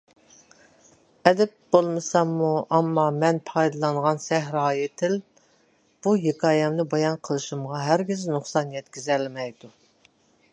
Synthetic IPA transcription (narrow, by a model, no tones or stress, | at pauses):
ɛd̪ɛp̚bolˠmɨsɑmːuʔɑmːɑmɛnpʰɑjd̪ɨlˠɑɴʁɑnsɛɦɾɑːjɪt̪ʰɪl | b̥uɦekʰɑːjɛmnɨbɑjɑnqʰəlˠɨʃumʁɑɦæɾɡʲiznuχsɑnjɛt̪kʲizɛlmɛjd̪u